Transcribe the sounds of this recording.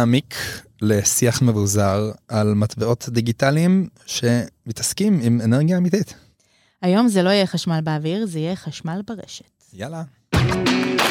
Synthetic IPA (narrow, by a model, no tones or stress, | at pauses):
mikʰ | le̞siaχmevuzaʁalmat̪beo̞t̪d̪iɡitaliimʃe̞mit̪ɐskimimeneʁɡijaːmitit | hajo̞mzelo̞ijeχaʃmalbeaviʁzeijeχaʃmalbeʁe̞̰ʃe̥t | jala